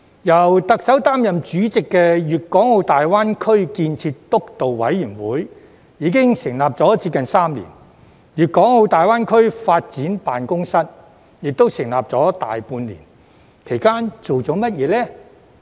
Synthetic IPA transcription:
jɐ˨˩wt̪ɐ˨k̚sɐ˨˥wt̪aː˥mjɐ˨mt͡ʃyː˨˥t͡sɪ˨kːɛː˧jyː˨t̚kɔː˨˥ŋho˨˧wt̪aː˨jwaː˥nkʰɵ˥ɥkiː˧nt͡sʰiː˧tt̪ʊ˥k̚t̪o˨wwɐ̰˨˥jyː˨˩ŋwuː˨˥j | jiː˨˧˥kɪ˥ŋsɪ˨˩ŋlaː˨p̚t͡sɔː˨˥t͡siː˧˥p̚kɐ˨nsaː˥mlḭː˨˩n | jyː˨˩t̚kɔː˨˥ŋho˧wt̪aː˨jwaː˥nkʰɵ˥ɥfaː˧t̚t͡siː˨˥npaː˨nkʊ˥ŋsɐ˥t̚ | jɪ˨k̚t̪o˥wsɪ˨˩ŋlaː˨p̚t͡sɔː˨˥t̪a̰ː˨jpuː˧nlḭ˨˩n | kʰe˨˩jkaː˥nt͡ʃo˨wt͡sɔː˨˥mɐ˥t̚jɛː˨˧lɛː˥

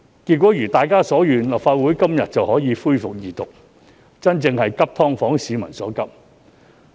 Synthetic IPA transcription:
ki˧t̚kʷɔː˨˥jyː˨˩t̪aː˨jkaː˥sɔː˨˥jyː˨nlɐ˨˩p̚faː˧t̚wuː˨˥jkɐ˥mjɐ˨t̚t͡sɐ˨whɔː˨˥jiː˨˧˥fuː˥jfʊ˨k̚jiː˨t̪ʊ˨k̚ | t͡sɐ˥nt͡sɪ˧ŋhɐ˨jkɐ˥p̚t̪ʰɔː˥ŋfɔː˨˥ŋsiː˨˧mɐ̰˨˩nsɔ̰ː˨˥kɐ˥p̚

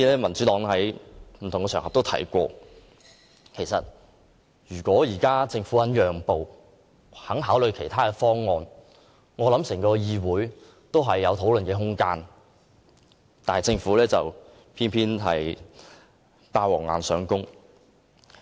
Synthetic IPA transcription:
iː˧lɛː˥mɐ˨˩nt͡syː˨˥t̪ɔː˨˥ŋhɐ˨˥jm̩ʰ˨˩ʊ˨˩ŋkɛː˧œː˨˩ŋhɐ˨p̚t̪o˥wt̪ʰɐ̰˨˥jkʷɔː˧ | kʰe˨˩jsɐ˨t̚ | jyː˨˩kʷɔː˨˥jiː˨˩kaː˥t͡sɪ˧ŋfuː˨˥hɐ˨˥njœː˨ŋpo˨w | hɐ˨˥ŋɦaː˨˥wlɵ˨˧ɥkʰe˨˩jt̪ʰaː˥kɛ˧fɔː˥ŋːɔː˧n | ŋɔː˨˧lɐ˨˥msɛː˨˩ŋkɔː˧jiː˧wuː˨˥j | t̪o˥wɦɐ˨jːɐ˨˧wt̪ʰo˨˥wlɵ˨nkɛː˧ɦʊ˥ŋkaː˥n | t̪aː˨jt͡sɪ˧ŋfuː˨˥lɛː˥t͡sɐ˨w | pʰiː˥npʰiː˥nɦɐ̰˨j | paː˧wɔː˨˩ŋːa̰ː˨nsœː˨˥ŋkʊ˥ŋ

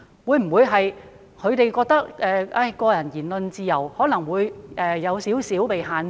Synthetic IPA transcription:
wuː˨˧jm̩˨˩wuː˨˧˥jɦɐ˨j | kʰɵ˨˧ɥt̪e˨jkɔː˧k̚t̪ɐ˥k̚ʔɛː˨˧ʔaː˧˥˩kɔː˧jɐ˨˩njiː˨˩nlɵ˨nt͡siː˨˧jɐ˨˩whɔː˨˥nɐ˨˩ŋwuː˨˧jʔɛː˨˧jɐ˨˧wsiː˨˥wsiː˨˥wpe˨jɦaː˨n

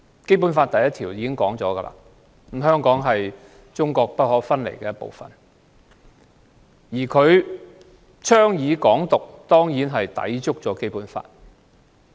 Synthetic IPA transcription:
ke˥jp̬u˨˥nfaː˧t̪ɐ˨jɐ˥t̪ʰiː˨˩wjiː˨˧kɪ˥ŋkɔː˨˥ŋt͡sɔ̰ː˨˥ɡɐ˧lʔa̰ː˧ | m̩˨˥ɦœː˥ŋkɔː˨˥ŋɦɐ˨j | t͡sʊ˥ŋkɔː˧k̚pɐ˥t̚hɔː˨˥fɐ˥nlḛ˨˩jkɛː˧jɐ˥tpo̰˨wfɐ̰˨˩n | jiː˨˩kʰɵ˨˧ɥ | t͡ʃʰœː˥ŋjiː˨˧kɔː˨˥ŋt̪ʊ˨k̚t̪ɔː˥ŋjiː˨˥nɦɐ˨jt̪ɐ̰˨˥jt͡sʊ˥k̚t͡sɔː˨˥ke˥jpuː˨˥nfa̰ː˧t̚

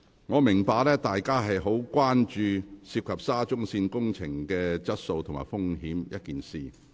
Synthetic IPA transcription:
ŋɔː˨˧mɪ˨˩ŋpaː˧k̚lɛː˥t̪aː˨jkaː˥ɦɐ˨jɦo˨˥wkʷaː˥nt͡ʃyː˧siː˧p̚kʰɐ˨p̚saː˥t͡ʃʊ˥ŋsiː˧nkʊ˥ŋt͡sʰɪ˨˩ŋkɛː˧t͡sɐ˥t̚so˧wt̪ʰʊ˨˩ma̰ː˨jfʊ˥ŋɦiː˨˥mjɐ˥t̚kiː˨nsiː˨˩

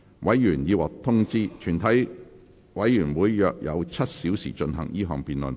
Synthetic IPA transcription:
wʔɐ˨˥jːyː˨˩njiː˨˧wɔː˨˩k̚t̪ʰʊ˥ŋt͡siː˥t͡ʃʰyː˨˩nt̪ʰɐ˨˥j | wɐ˨˥jjyː˨˩nwuː˨˧jːœː˨k̚jɐ̰˨˧wt͡sʰɐ˥t̚siː˨˥wsḭː˨˩t͡ʃɵ˧nɦɐ̰˨˩ŋjiː˥ɦɔ̰ː˨ŋpiː˨nlɵ̰˨n

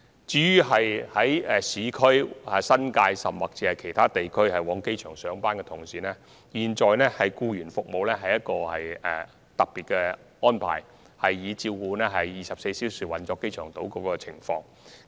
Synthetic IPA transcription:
t͡siː˨˧jyː˥ɦɐ˨jhɐ˨˥jɛ˨siː˨˥kʰɵ˥ɥɛ˨˩sɐ˥nkaː˧jsɐ˨mwɐ˨˩k̚t͡siː˨˩ɐ˨jkʰe˨˩jt̪ʰaː˥t̪e˨jkʰɵ˥ɥhɐ˨jwɔː˨˥ŋke˥jt͡ʃʰœː˨˩ŋsœː˨˥ŋpaː˥nkɛ˧t̪ʰʊ˨˩ŋsiː˨˩nɛː˥ | jiː˨nt͡ʃɔː˨jnɛ˥hɐ˨jkuː˧jyː˨˩nfʊ˨k̚mo˨wlɛː˥ɦɐ˨jɐ˥t̚kɔː˧hɐ˨jɛ˨˧ | t̪ɐ˨k̚piː˨t̚kɛ˧ | ɔː˥npʰa̰ː˨˩j | hɐ˨jːiː˨˧t͡siː˧wkuː˧nɛː˥ɦɐ˨jːiː˨˩sɐ˨p̚se˧jsiː˨˥wsyː˨˩wɐ˨nt͡ʃɔː˧˥kːe˥jt͡ʃʰœː˨˩ŋt̪o˨˥wkɔː˧kɔː˧t͡sʰɪ˨˩ŋfɔː˧ŋ

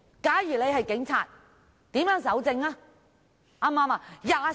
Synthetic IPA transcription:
kaː˨˥jyː˨˩le˨˧jhɐ˨jkɪ˨˥ŋt͡sʰaː˨t̚ | t̪iː˨˥mjœː˨˥ŋsɐ˨˥wt͡sɪ˧ŋaː˧ | ʔaː˧maː˧maː˧jaː˨˩

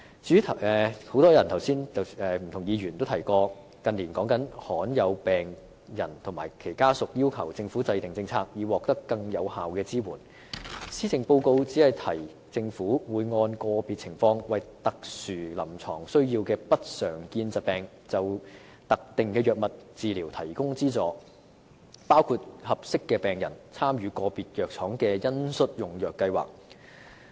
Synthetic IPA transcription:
t͡syː˨˥t̪ʰɛ˨ho˨˥wt̪ɔː˥jɐ˨˩nt̪ʰɐ˨˩wsiː˥nɐ˨ɛː˨m̩˨˩t̪ʰʊ˨˩ŋjiː˨˧ɥyː˨˩nt̪o˥wt̪ʰɐ˨˩jkɔː˧ | kɐ˨nli˨˩nkɔː˨˥ŋkɐ˨˥nhɔː˨˥njɐ˨˧wpɛː˨˩ŋ | jɐ˨˩nt̪ʰʊ˨˩maː˨˩jkʰe˨˩jkaː˥sʊ˨k̚jiː˥wkʰɐ˨˩wt͡sɪ˧ŋfuː˨˥t͡sɐ˧jt̪ɪ˨ŋt͡sɪ˧ŋt͡sʰaː˧k̚jiː˨˧wɔː˨k̚t̪ɐ˥kːɐ˧ŋjɐ˨˧whaː˨wkɛː˧t͡siː˥wuː˨˩n | siː˥t͡sɪ˨ŋpo˧wko˧wt͡siː˨˥hɐ˨jt̪ʰɐ˨˩j | t͡sɪ˧ŋfuː˨˥wuː˨˧jŋɔː˧nkɔː˧piː˨t̚t͡sʰɪ˨˩ŋfɔː˧ŋwɐ˨jt̪ɐ˨k̚syː˨˩lɐ˨˩mt͡sʰɔː˨˩ŋsɵ˥ɥjiː˧wkɛː˧pɐ˥t̚sœː˨˩ŋkiː˧nt͡sɐ˨t̚pɛː˨ŋ | t͡sɐ˨w | t̪ɐ˨k̚t̪ɪ˨ŋkɛː˧jœː˨˩k̚mɐ˨t̚t͡siː˨liː˨˩wt̪ʰɐ˨˩jkʊ˥ŋt͡siː˥t͡sɔː˨˧ | paː˥wkʰuː˨˧t̚hɐ˨p̚sɪ˥kːɛː˧pɛː˨ŋjɐ̰˨˩nt͡sʰaː˥mjyː˨˧kɔː˧piː˨t̚jœː˨k̚t͡sʰɔː˨˥ŋkɛː˧jɐ˥nsɵ˥t̚jʊ˨˩ŋjœː˨kːɐ˧jwa̰ː˨k̚

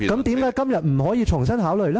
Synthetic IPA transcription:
kɐ˦mt̪iː˨˥mkaː˥jkɐ˥mjɐ˨t̚m̩˨˩hɔː˨˥jiː˧t͡ʃʰʊ˨˩ŋsɐ˥nɦaː˨˥wlɵ˨ɥlɛ˦˥

